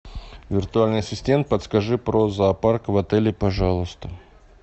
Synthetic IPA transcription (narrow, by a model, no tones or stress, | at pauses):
vʲɪrt̪ʊalʲnɨjɐsʲɪsʲtʲe̞mt̪̚pət̪skɐʐɨpɾozaparkvɐt̪ɛlʲɪpɐʐalˠəst̪ə